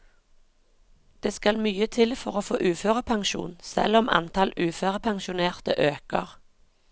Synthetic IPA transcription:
d̪̥eːskɑlmyːət̪ʰɪlfɔʁoːfo̰ːʔʉːføːʁəpʰɑŋʃṵːnsɛ̰lɔmʔɑ̰nt̪ʰɑlʉːføːʁəpʰɑŋʃʊneːʁt̪əʔøːkə̰ʁ

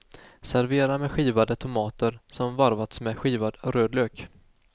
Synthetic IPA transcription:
sæɾveːɾamɛɧiːvad̪ət̪ʰʊmɑːt̪əɾsɔmvaɾvat̪smɛɧiːvad̪ɾøːd̪løːk

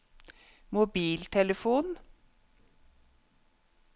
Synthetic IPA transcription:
mʊbiːlt̪ʰɛləfuːn

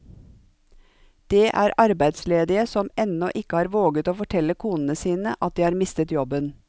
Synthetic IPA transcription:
d̪̥eːʔæːɾʔɑɾbæɪd̪sleːd̪ɪəsɔmɛnɔʔɪkəhɑːɾʋoːɡət̪oːfɔʈʰɛləkʰuːnn̩əsiːnəʔɑt̪̚d̪iːhɑːɾmɪst̪ət̪jɔbən

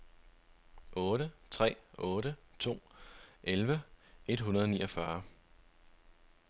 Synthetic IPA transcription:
ʔɔ̽ːɾət͡sʰʁɛ̰ːʔɔ̽ːɾət͡sʰo̝̰ːʔelʋəe̝d̥ɦunɐðˠɒnḭːʔɒfɶɐ

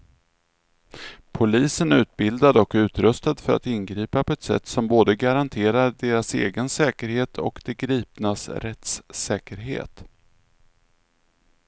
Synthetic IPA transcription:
pʰʊliːsənʉ̟ːt̪̚bɪld̪ad̪ɔkʉ̟ːt̪ɾɵst̪ad̪fœɾa̰t̪ɪnɡɾiːpapʰɔɛt̪sɛ̰t̪ːsɔmboːd̪əɡaɾant̪ʰeːɾaɖeːɾasḛːɡənsɛːkəɾheːt̪ʰɔ̰kd̪ɛɡɾiːpnasɾɛt̪sːɛːkəɾɦḛːt̪

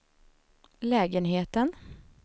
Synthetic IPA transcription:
lɛːɡənɦeːt̪ən

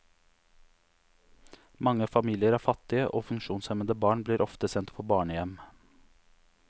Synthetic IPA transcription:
mɑŋəfɑmiːlɪəɾæːfɑt̪ɪəʔoːfʉŋʃuːnsɛmənd̪əbɑːɳbliːɾʔɔft̪əsɛnt̪fʰɔbɑːɳəjɛm

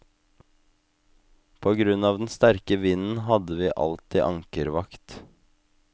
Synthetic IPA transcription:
pʰoːɡɾʉnɑːʋd̪n̩st̪æɾkəʋɪnn̩hɑd̪əʋiːʔɑ̰lt̪iːʔɑŋkəɾʋɑkt̪

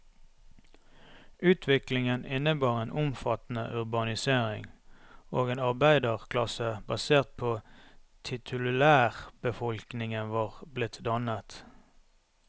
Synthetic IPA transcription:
ʉːt̪ʰʋɪklɪŋənɪnəbɑːʁeːnʔʊmfɑt̪n̩ə̰ʔʉʁbɑnɪseːʁɪ̰ŋoːɡeːnɑʁbæɪd̪əʁkʰlɑsəbɑseːʁt̪̚pʰoːt̪ʰɪt̪ʰʉlʉæːʁb̥əfɔlknɪŋənʋɑːʁblɪt̪ʰd̪ɑnət̪

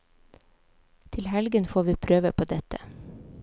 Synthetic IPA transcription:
t̪ʰɪlhɛlɡənfoːʋiːpʰɾøːʋəpʰoːd̪ɛt̪ə

